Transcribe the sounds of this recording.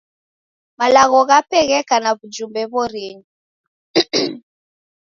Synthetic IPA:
malaɣɔɣapɛɣɛkanaβud͡ʒumbɛβɔɾiɲi

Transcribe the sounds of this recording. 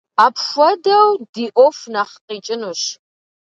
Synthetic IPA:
aːpxʷɔdɐwdiːʔʷɔfnaχqiːt͡ʃʼɪnuɕ

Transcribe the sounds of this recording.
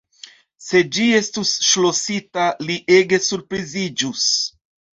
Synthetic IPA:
se̞d͡ʒie̞stusʃlo̞sitaliʔe̞ɡe̞suɾpɾizid͡ʒus

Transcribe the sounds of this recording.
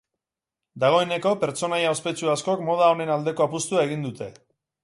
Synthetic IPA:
d̪aɣ̞o̞e̞ne̞ko̞pe̞ɾt͡ʃo̞najaospe̞t͡ʃuasko̞kmo̞ð̞ao̞ne̞nald̪e̞ko̞apust̪uae̞ɣind̪ut̪e̞

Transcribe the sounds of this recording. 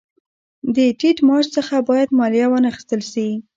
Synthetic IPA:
d̪əʈiʈmɑd͡ʒt͡səxabɑjad̪mɑljɑwənaxi̥st̪əlʃi

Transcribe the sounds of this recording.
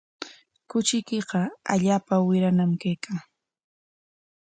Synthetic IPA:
kʊt͡ʃɪjkeqɑa̰ʎaːpawɪɾanamkajkʰaː

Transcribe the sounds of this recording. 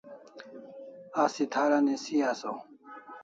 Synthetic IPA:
asit̪ʰaɾanisiaso

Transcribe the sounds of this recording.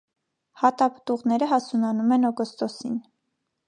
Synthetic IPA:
hɑt̪ɑpə̥t̪uʁnɛɾəɦɑsunɑnumɛnɔɡɔst̪ɔsḭn

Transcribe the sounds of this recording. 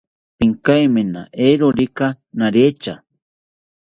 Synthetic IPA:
piŋkajmena̰ʔeɾoɾika | naɾet͡ʃa

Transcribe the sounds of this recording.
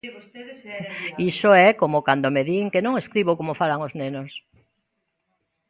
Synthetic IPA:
isoɛkomokand̪omeðiŋkenõŋeskɾiβokomofalaŋoznenos

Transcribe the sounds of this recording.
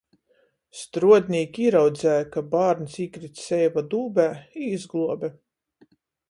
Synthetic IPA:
st̪ɾuɔd̪ʲnʲiːkʲiːɾawd̪zæːjakabaːɾnʲsiːkɾit̪sɛjvad̪uːbʲæːiːzɡlˠuɔbɛ

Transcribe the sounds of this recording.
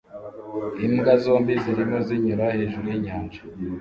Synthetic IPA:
imɡazo̞ːmbiziɾimo̞ziɲuɾahe̞ːʒuɾujiɲaːnʒḁ

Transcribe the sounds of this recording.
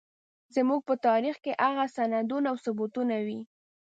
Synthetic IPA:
zəmuɡ̚pət̪ɑɾixkeʔaɣasanad̪unawsʊbut̪unawi

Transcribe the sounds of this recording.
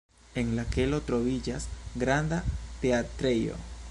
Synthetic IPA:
eŋlakelot̪ɾoβid͡ʒasɡɾand̪at̪eat̪ɾejo̰

